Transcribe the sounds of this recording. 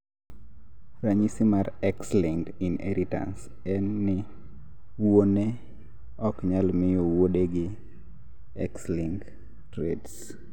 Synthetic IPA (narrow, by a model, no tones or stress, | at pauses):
raɲisɪmarɛksliŋɡinɛ̰ɾʔita̰ns | ɛnːɪ | wone | ɔkɲalmɪjowoɗeɡɪ | ɛ̰ksliŋɡ | tɾeds